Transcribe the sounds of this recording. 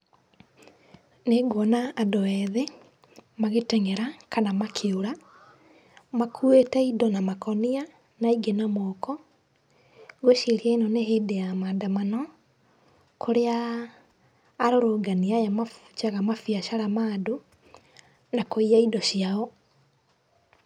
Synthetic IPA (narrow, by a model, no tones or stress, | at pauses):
neɡɔnaːdowɛðe | maɣetɛŋɛɾakanamakʰeoɾa | makʰuetɛidɔnamakɔnia | naiɡenamɔkɔ | ɣoʃeɾiainɔneɦedejamandamanɔ | kʰoɾea | ɾoɾoːɡaniajamaft͡ʃaɣamafiaʃaɾamaːdo | nakoiaidɔʃiaɔ